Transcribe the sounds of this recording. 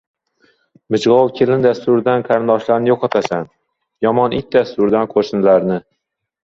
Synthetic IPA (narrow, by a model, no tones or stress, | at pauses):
mɪd͡ʒʁɒwkʲʰe̞lɪnd̪ast̪ʊɾd̪anqʰaɾɪnd̪ɒʃlaɾnɪjoqʰɒt̪ʰasan | jɒmɒnʔɪt̚ʲd̪ast̪ʊɾd̪anqʰoɾʃnlaɾnɪ